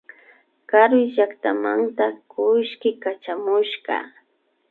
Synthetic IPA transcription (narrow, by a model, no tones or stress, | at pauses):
kaɾwɪʒakt̪amant̪akʊʃkɪkat͡ʃamʊʃkɑ̰